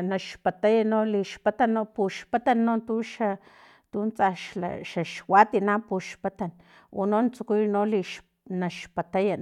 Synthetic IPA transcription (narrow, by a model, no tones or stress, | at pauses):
naʃpat̪ajanoliʃpat̪anːopuʃpat̪anːot̪uʃa | t̪unt͡saʃla̰ʃaʃwat̪inapuʃpat̪an | onont͡sukujnoliʃ | naʃpat̪aja